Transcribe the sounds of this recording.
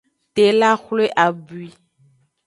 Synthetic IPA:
t̪e˨la˦xle˦ʔa˨bu˨i˦

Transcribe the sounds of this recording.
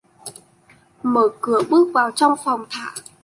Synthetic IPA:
məː˧˩kɨ˧˩əɓɨ˦˥ək̚vaː˨˩wt͡ɕɔ˧wŋ͡mfɔ˨˩wŋ͡mt̪ʰa̰ː˧˩˦

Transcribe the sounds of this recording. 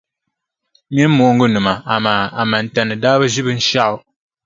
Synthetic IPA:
mi˦m̩˦mo˨˦ŋ̩˦ɡu˦˨nɨ˨ma˨a˨ma˨a˨ma˨n̩˨tɛ˨nɨ˨daː˦bə˦zi˦bɨ˦n̩˦ʃa˦

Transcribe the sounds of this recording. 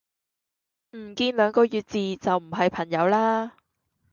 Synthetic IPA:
m̩˨˩kiː˧nlœː˨˧ŋkɔː˧jyː˨˧t̚t͡siː˨˧t͡sɐ˨wm̩˨˩ɦɐ˨jpʰɐ˨˩ŋjɐ˨˧˥wlaː˥

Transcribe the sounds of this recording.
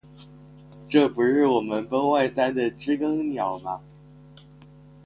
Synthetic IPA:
ʈ͡ʂɤ˥˩pu˧˥ʂɻ̩˥˩wɔ˨˩mə˦nfə˥ŋwa˥˩ɪsa˥nd̪ə˨ʈ͡ʂɻ̩˥kɤ˥ŋnjɑ˨˩˦ʊnɐ˦

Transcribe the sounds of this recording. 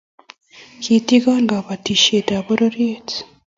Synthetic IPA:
ki˨ti˦ɡa˦ŋɡa˨βa˨ti˨ʃe˨ta˨βo˦ɾo˦ɾe˦t

